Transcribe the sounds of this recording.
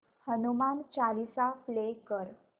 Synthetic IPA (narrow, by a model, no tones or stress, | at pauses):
hənumant͡ɕalisaflekəɾ